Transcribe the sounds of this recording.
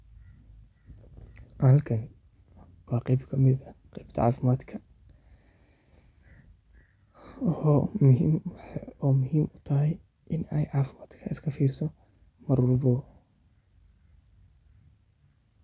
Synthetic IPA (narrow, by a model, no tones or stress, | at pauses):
hɐlkʰɐn | wɑːqɛjbkʰɐmɪd̪ɐqɛjbt̪ʰɐ̰ʕɑ̰ːfɪmaːd̪kʰɐ | ɔmʊhiːmɔːmʊɦiːmʊt̪ʰɐɦɛj | ʔɪnɛjʕɑːfɪmaːd̪̥kʰɐɪskʰɐfiːrsɔ | mɐrwɑlbɔ